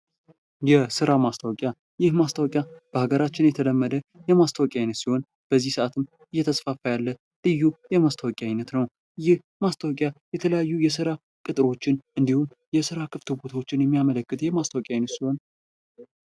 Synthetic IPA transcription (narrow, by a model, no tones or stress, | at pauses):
jɛsɨɾamast̪ʰawɔkʼja | jɪhmast̪ʰawɔkʼjab̥əhaɡəɾat͡ʃːɪnjɛt̪ʰələmːəd̪əjɛmast̪ʰawkʼjajnət̪siho̞n | b̥əzːihsɨʔat̪ʰɨm | ʔɨjːɛt̪ʰəsfafajalːə | lɨjːujɛmast̪ʰawɔkʼjajnːət̪nəw | jɪh | mast̪ʰawkʼjajɛt̪ʰələjajːujɛsɨɾa | kʼɨt̪ʼɨɾo̞t͡ʃːɪnʔɨnd̪ihum | jɛsɨɾakʰɨft̪ʰɨbot̪ʰawot͡ʃːɪnjɛmːijamələkːɨt̪jɛmast̪ʰawkʼjajnət̪siho̞n